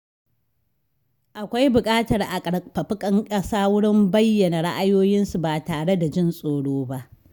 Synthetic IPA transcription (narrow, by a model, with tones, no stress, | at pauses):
ʔa˨kʷa˦jbʊ˨kʼaː˦tɐ˨rʔa˨kʼɐ˨ɽpɐ˨ɸɪ˦kʼɐ˦ŋkʼɐ˦saː˦wʊ˦ɽɪ˦mbɐ˦jːɐ˨na˨ɽa˦ʔa˦joː˦jɪ˦nsu˨baː˨taː˨ɽe˦da˨d͡ʒɪ˦nsʼoː˨ɽoː˦ba˦ʔ